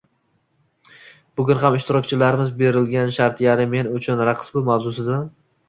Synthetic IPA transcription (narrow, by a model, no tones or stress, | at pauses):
bʊɡʲʊnɦamɪʃt̪ɪɾɒk̚ʲt͡ʃʰɪlaɾɪmɪzbe̞ɾɪlɡʲanʃaɾt̪ʰjaɾɪme̞nʊt͡ʃʰʊnɾaqʰɨ̥sbʊmawzʊsɪd̪a